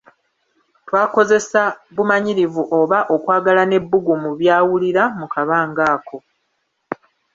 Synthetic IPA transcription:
twaːko̞ze̞saβumaɲiɾivuʔo̞βaʔo̞kwaːɡalane̞bːuɡumuβjaːwuliɾamukaβaːŋɡaːkʰo̞

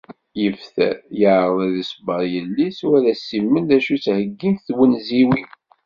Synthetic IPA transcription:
jəfθæ̰jəʕəðˤæðisbɑɾˤjəlːisuælæsːimːənd̪æʃut͡shəɡːinθwənziwi

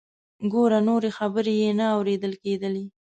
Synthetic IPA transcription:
ɡoɾanoɾexabəɾejenaawɾed̪əlked̪əli

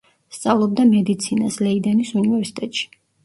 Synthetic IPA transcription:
st̪sʼavlˠɔbd̪amɛd̪it̪sʰinaslɛid̪ɛnisunivɛɾsi̥t̪ʼɛt̪ʼʃi̥

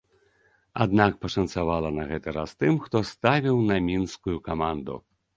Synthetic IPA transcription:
a̰d̪nakpɐʂɐnt̪savalˠɐnɐɣɛt̪ɐɾa̰st̪ɨmxt̪ɔst̪avʲiwnɐmʲinskujukamand̪ṵ

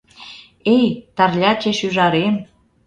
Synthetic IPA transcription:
ejt̪ɑrlʲɑt͡ɕeʃyʒɑɾem

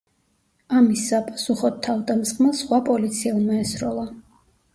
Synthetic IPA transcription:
amisapʼasuχɔt̪ʰːavd̪amsχʼmasχwapʼɔlit̪sʰiɛmɛɛsɾɔlˠa

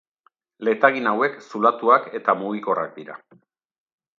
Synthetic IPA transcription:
le̞t̪aɣinawe̞ksulat̪uake̞t̪amuɣiko̞ra̰k̚d̪iɾa̰

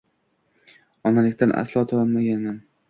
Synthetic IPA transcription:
ɒnalɪkʲt̪anʔa̰slˠɒt̪ʰaɒnmaɡʲanman

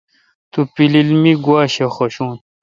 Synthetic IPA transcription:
t̪upililmiɡwaːɕexoɕuːn

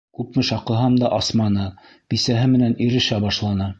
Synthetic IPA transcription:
kʉpmɘʃɑqɤ̆ɦɑmd̪ɑʔɑsmɑnɤ | b̥isæɦɘmɘ̆næniɾɘ̆ʃæbɑʃlˠɑnɤ

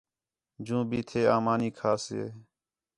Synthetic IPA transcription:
d͡ʒũːbiːt̪ʰeːaːmaːniːkʰaːsḛː

